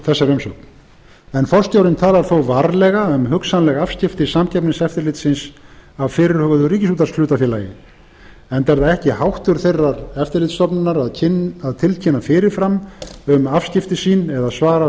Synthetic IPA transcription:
θɛsːaɾœmsɔ̰wkn | ɛnfɔr̥st̪jawɾɪnt̪ʰaːlaɾ̥θowvaɾlɛɣaʏmɦʏksanlɛɣavscɪft̪ɪsamcʰɛpnɪŋsɛft̪ɪɾlɪt̪sɪnsavfɪːɾɪɾ̥hœɣʏðʏɾiːcɪsuːt̪aslʏːt̪afjɛːla̰jɪ̰ | ɛnt̪ɛɾðaɛhcɪhawht̪ʏɾ̥θejrːaɾɛft̪ɪɾlɪːt̪st̪ɔpnʏnːaɾaðcʰɪaðt̪ʰɪlcʰɪnːafɪːɾɪɾ̥fɾamʏmafscɪft̪ɪsiːnɛðasvaːɾa

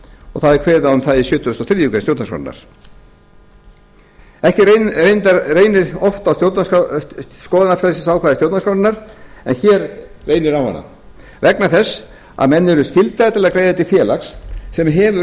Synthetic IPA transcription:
ɔɣθaðɛɾkʰvɛːðaʏmθaðɪsjœːt̪ʏʏst̪ɔθɾijʏkast̪jowt̪nska̰wɾna̰ɾ̥ | ɛhcɪrejnt̪aɾreːjnɪɾɔft̪awst̪jowt̪ns | skɔːðanafɛlsɪsawkʰvaːðɪst̪jowt̪naskɾawɾɪnaɾ̥ɛ̰nçɛːɾːejnɪɾawha̰nːa̰ | vɛknaθɛs | a̰ðmɛnːʏɾʏscɪlt̪aat̪ʰɪlaðakɾeːjðaɛt̪ɪfjɛːlaxsːɛmɦɛːvʏ

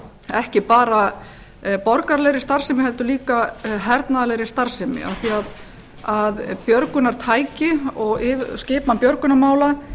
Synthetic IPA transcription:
ɛhcɪpaːɾa | pɔɾkaɾlɛjɾɪst̪aɾ̥sɪmɪɦɛlt̪ʏliːkaɦɛɾt̪naðalɛjɾɪst̪aɾ̥sɪmɪ̰a̰θiað | aðpjœɾkʏnaɾ̥t̪ʰaːjcɪɔɣɪscɪːpnanpjœɾkʏnamaːwla

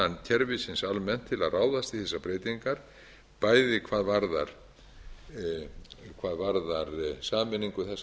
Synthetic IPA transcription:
ant̪ʰɛɾvɪsɪnsalmɛn̥t̪ʰːɪlaðraːwðast̪ɪθɛsːapɾeːjt̪iŋkaɾ̥ | paːjðɪkʰvaːðvaɾða̰ɾ̥ | kʰvaːðvaɾðaɾsaːmɪnːiŋkʏθɛs

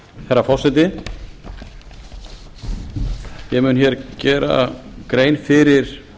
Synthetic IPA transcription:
θɛɾːafɔr̥sɛt̪̬ɪ | jɛmʏnçjɛɾcɛːɾa̰kɾeːjnfɪɾɪɾ̥

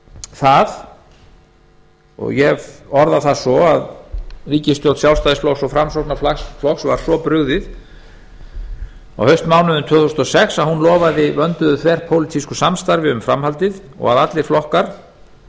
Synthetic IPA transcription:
θað | ɔ̰ɣjɛvɔɾðaθasɔaðriːcɪst̪jow̪lt̪sjawlst̪ajðɪsflɔwksɔfɾamsowt̪naflaxsflɔxsvaɾ̥sɔpɾʏɣðɪð | a̰whœɥst̪maːwnʏðʏmt̪ʰœːθusnɔsɛxsaðhunlɔːvaðɪvœnt̪ʏðʏθʰvɛr̥pʰowlɪt̪ʰiskʏsamst̪aɾvɪʏmfɾamhalt̪ɪð | ɔ̰ɣaðat̪lɪɾ̥flɔhkaɾ̥

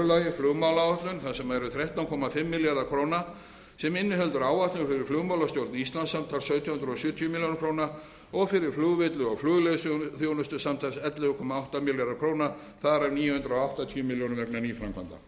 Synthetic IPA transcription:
ʏlajɪflʏɣmawlaaht̪lʏnθasɛmaɛɾʏθɾɛht̪awŋkʰɔmafɪmːɪljaɾðakʰɾoːwna | sɛmɪnːɪhœlt̪ʏɾaːwaht̪lʏnfɪɾɪɾ̥flʏːɣmawlast̪jowɾt̪nist̪lansamt̪ʰalsœɥt̪ʰjahʏnt̪ɾɔsjʏːt̪ʰijʏmɪljonkɾowna | ɔɣfɪɾɪɾ̥fluːɣvɪt̪lʏɔɣflʏɣleðsθjownʏst̪ʏsamt̪ʰalsɛt̪lɪðʏkʰɔmaawht̪amɪljaɾðakʰɾoːwna | θaðaɾavniːjʏhʏnt̪ɾɔawht̪at̪ʰiʏmɪljownvɛknanifɾaŋkʰvant̪a̰

